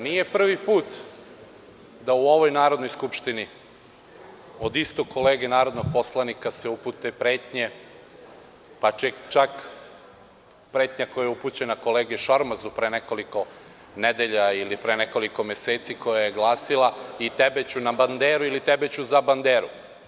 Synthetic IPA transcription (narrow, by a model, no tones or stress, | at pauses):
nije̞pr̩ʋipuːt̪ | d̪auo̞ʋo̞jnaːɾo̞d̪nojskupʃt̪ini | od̪ist̪okʰo̞leːɡenaːɾo̞d̪noɡ̚po̞slˠanikaseuput̪epɾeːt̪ɲe̞ | pat͡ʃet͡ʃak | pɾeːt̪ɲakojajeuput͡ɕe̞nako̞leːɡeʃoɾmazupɾeːneko̞liko̞ | ned̪eʎailipɾeːneko̞liko̞meseːt̪sikojajeɡlˠaːsilˠait̪ebet͡ɕunaband̪eːɾuilit̪ebet͡ɕuzaband̪eːɾu